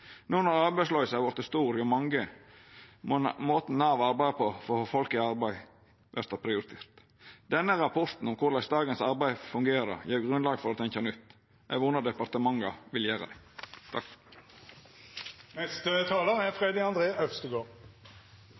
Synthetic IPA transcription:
nuːnɔɾɑɾbæɪslœʏəsæʋɔɾt̪əst̪uːɾjʊmɑŋɡə | moːt̪n̩ːɑːʋɑɾbæɪd̪pʰɔfɔɾhoːfɔlkɪɑɾbæɪ | ʋʔæɾt̪ɑpʰɾɪʊɾɪt̪ʰeːɾt̪ | d̪ɛnːəɾɑpʰɔɾt̪n̩ɔmkʰʊɾlæɪsd̪ɑːɡənsɑɾbæɪfʉŋɡeːɾəɾɑ̰jiːɾɡɾʉnlɑːɡəfɔɾɑt̪ʰɛnçɑnʉt̪ː | ʔæʋʊnəd̪ɛpɑɾt̪əmɑŋːɑʋɪljæːɾə̰d̪ɛ | t̪ʰɑk | nɛst̪ət̪ʰɑːləʁɛfɾeːd̪ɪɑnd̪ɾeːœfst̪əɡoːʁ

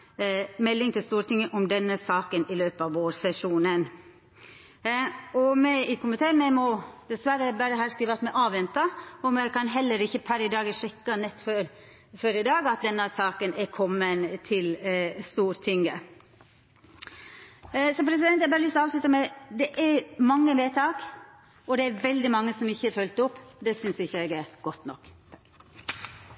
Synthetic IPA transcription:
mɛlːɪŋt̪ʰɪlst̪uːɾt̪ɪŋːəʔʊmd̪ɛnːəsɑːkənɪløːpəɑʋoːɾsɛʂuːnən | ɔmɛɪkʰʊmɪt̪ʰeːmɛmɔd̪ɛsʋæɾəbæɾəɦɑːskɾiːʋɑt̪mɛʔɑːʋɛnt̪ɑɔmjæɪkʰɑnɦɛlːəɾɪçːəpʰæɾɪd̪ɑːɡəʂɛkːɑnɛt̪ːføɾ | føɾɪd̪ɑːɡɑt̪̚d̪ɛnːəsɑːkənɛɾkʰɔmːənt̪ʰɪlst̪uːɾt̪ʰɪŋːə | sɔpʰɾɛs̬ɪd̪ɛnjæbɑːɾlʏst̪ɔɑːʋslʉt̪əmɛd̪ɛʔæɾmɑŋːəmeːt̪ʰɑːk | ɔd̪ɛæɾʋɛld̪ɪmɑŋːəsɔmɪçːəfœlt̪ʊpːd̪ɛsʏnsɪçːəɛɡæɾɡ̥ɔt̪ːnɔ̰k̪ː

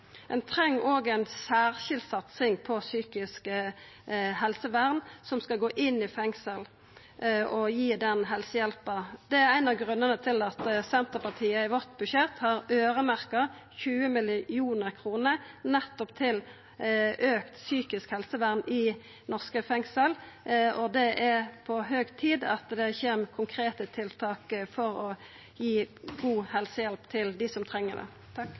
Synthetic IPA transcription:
ʔɛnt̪ʰʁɛŋːʔoːɡæɪnsæːʁʃɪld̪sɑt̪sɪŋpʰɔsyːkɪskə | hɛlsəʋæʁnsɔmskɑlɡoːʔɪnɪfɛŋsəl | ɔjiːd̪ɛnɦɛlsəjɛlpəd̪̥ɛæʁæɪnɑʋɡʁʉnːənət̪ʰɪlɑt̪sɛnt̪əpɑʁt̪ʰiːəɪʋɔʈ̪̚bʉʃɛt̪hɑʁøːʁəmæʁkə | çʉːəmɪluːnəʁkʰʁuːnəʁnɛt̪ːɔpt̪ʰɪl | ʔøːkt̪syːkɪskhɛlsəʋæʁnɪ | nɔʁskəfɛŋsəl | ɔd̪ɛʔæʁpʰɔɦøːɡt̪ʰiːd̪ɑt̪d̪ɛçeːmkʰʊŋkʰɾeːt̪ət̪ʰɪlt̪ʰɑːkfɔʁɔ | jiːɡuːhɛlsəjɛlpt̪ʰɪld̪ɪsɔmt̪ʰʁɛŋːəd̪ɛ̰ | t̪ʰɑk

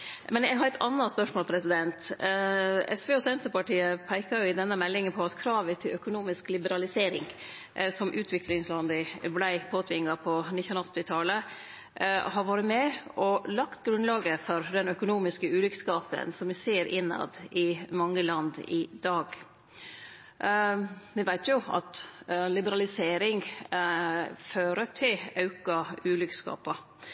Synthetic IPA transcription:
mɛnjæɪɡɦɑɾæt̪ɑnːɑspœʂmoːlpʰɾɛsɪd̪ɛnt̪ | ɛ̰sʋeːɔsɛnt̪əɾpɑʈiːəpʰæɪkɑɾjʊɪd̪ɛnːəmɛlːɪŋənpʰɔɑt̪kʰɾɑːʋət̪ʰɪlœkʊnuːmɪsklɪbəɾɑlɪseːɾɪ̰ŋ | sɔmʔʉːt̪ʰʋɪklɪŋslɑnd̪ɪblæɪpʰoːt̪ʰʋɪŋːɑpʰɔnɪç̪nɑɔt̪ːɪt̪ʰɑlə | hɑɾʋɑːɾəmɛʔɔlɑkt̪ɡɾʉnlɑːɡəfɔɾd̪ɛnœkʊnuːmɪskəʉːlʏkskɑːpə̰nsɔmʋɪseːɾʔɪnːɑ̰d̪ɪmɑŋːəlɑnd̪ɪd̪ɑːɡ | ʋɪʋæɪt̪ʰjʊɑ̰t̪lɪbəɾɑlɪseːɾɪŋ | føːɾəʈʰɪlɑʉkɑʉːlʏkskɑ̰ːpɑ

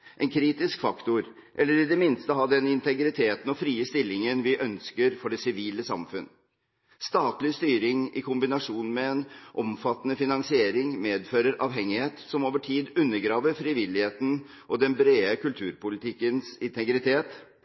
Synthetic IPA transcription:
ʔɛnkʰɾiːt̪ɪskfɑkt̪ʊɾ | ʔɛlːəɾɪd̪ɛmɪnst̪əɦɑd̪ɛnɪnt̪ʰɛɡɾɪt̪ʰeːt̪n̩ɔfɾiːəst̪ɪlːɪŋənʋɪʔœnskəɾfɔɖɛsɪʋiːləsɑ̰mfʉn | st̪ɑːt̪lɪst̪yːɾɪŋɪ̰kʰʊmbɪnɑʂuːnmɛɛnʔɔmfɑt̪ːnəfɪnɑnsɪeːɾɪŋmeːd̪føːɾəɾʔɑːʋɦɛŋːɪheːt̪sɔmoːʋəʈʰiːd̪ʉnːəɾɡɾɑːʋəɾfɾɪʋɪlːɪheːt̪n̩ | ʔɔd̪ɛnbɾeːəkʉlt̪ʰʉːɾpʊlɪt̪ʰɪkːənsɪnt̪ʰɛɡɾɪt̪ʰeːt̪

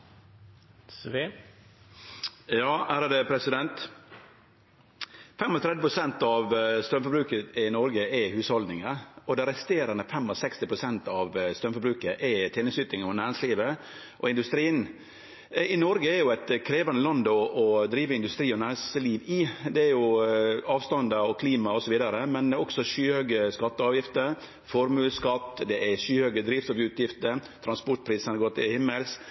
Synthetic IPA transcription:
jɑːʔæːɾɑd̪əpʰɾɛsɪd̪ɛnt̪ | fɛmɔt̪ʰɾɛd̪ɪpʰɾʊsɛnt̪ɑʋst̪ɾœmfɔɾbɾʉːkəɪnɔɾɡəʔɛhʉːshɔld̪nɪŋəɔd̪ɛɾɛst̪eːɾɑnəfɛmɔsɛkst̪ɪpʰɾʊsɛnt̪ɑʋst̪ɾœmfɔbɾʉːkəʔɛt̪ʰeːnəsyːt̪ɪŋɔnæːɾɪŋsliːʋə | ʔɔɪnd̪ʉst̪ɾiːən | ɪnɔɾɡəɛɾjʊæt̪kʰɾeːʋɑnəlɑnd̪ɔɔd̪ɾiːʋəɪnd̪ʉst̪ɾiːɔnæːɾɪŋsliːʋɪd̪ɛæɾjʊɑːʋst̪ɑnd̪ɑɔkʰliːmɑɔsɔʋiːd̪ɑɾəmɛnd̪ɔksɔʂyːhœɡəskɑt̪ːəɑːʋjɪft̪ə | fɔɾmʉːlskɑt̪ːd̪ɛʔɛʂyːhøɡəd̪ɾiːfsɑːʋjʉt̪jɪft̪ət̪ʰɾɑnspɔʈ̚pʰɾiːsənəɡoːt̪ɪ̰hɪmːəls

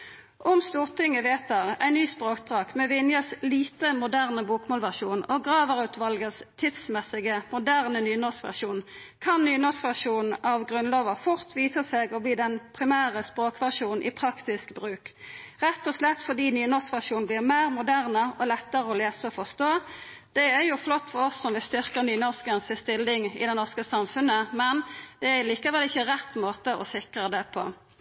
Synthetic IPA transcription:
ʔɔmst̪uːʁt̪ʰɪŋːəʋeːt̪əʁæ̰ɪnyːspʁoːk̚d̪ʁɑːkmɛʋɪnjəsliːt̪əmʊd̪æʁnəbuːkmoːlʋæʁʂuːnoɡʁɑːʋəʁʉt̪ʋɑlɡəst̪ʰɪd̪smɛsɪɡəmʊd̪æʁnənyːnɔskʋæ̰ʁʃuːn | kʰɑnnyːnɔskʋæʁʂuːnn̩ʔɑʋɡʁʉnloːʋəfʊʁt̪ʰʋiːsəseːɡɔbliːd̪ɛnpʰʁɪmæːʁəspʁoːkʋæʁʃuːnn̩ʔḭːpʰʁɑkt̪ɪskbʁʉːkʁɛt̪ːɔslɛt̪ːfɔʁd̪iːnyːnɔskʋæʁʂuːn̩blɪːʁmeːʁmʊd̪æʁnəɔlɛt̪ːəʁəɔleːsəɔfɔst̪oː | d̪̥ɛæʁjʊflɔt̪ːfɔɾɔsːɔmʋɪst̪ʏʁkəʁnyːnɔskənsɪst̪ɪlːɪŋɪ̰d̪ɛnɔʁskəsɑmfʉnːəmɛnd̪ɛææliːkəʋɛlɪçːəʁɛt̪ːmoːt̪əʔɔ̰sɪkʁəd̪ɛpʰo̰

